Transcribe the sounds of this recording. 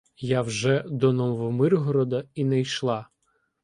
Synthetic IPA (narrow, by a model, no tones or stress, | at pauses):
jawʒɛd̪ɔnɔmʋɔmɪrɦɔɾɔd̪ɐinɛjʃlˠɑ